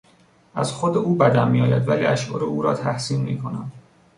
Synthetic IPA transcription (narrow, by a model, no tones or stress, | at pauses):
ʔæ̰zxod̪euːbæd̪æmmiːjɒːjæd̪væliːæʃʔɒːɾeuːɾɒːt̪ʰæhsiːnmḭːkʰo̞næ̰md̪